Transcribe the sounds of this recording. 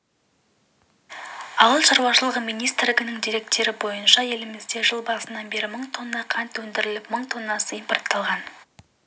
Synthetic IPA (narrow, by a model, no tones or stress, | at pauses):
ɑwəlˠʃɑɾwɑʃəlˠəʁəmijnijst̪ɾrlʲɪɡʲɪnɪŋd̪ijɾe̞k̚t̪e̞ɾɪbo̞jənʃɑje̞lɪmɪzd̪e̞ʒəlˠbɑsənɑnbe̞ɾɪməɴt̪ʰo̞nːɑqʰɑnt̪wɵnd̪ɪɾɪlɪpməɴt̪ʰo̞nːɑsəimport̪ːɑlˠʁɑn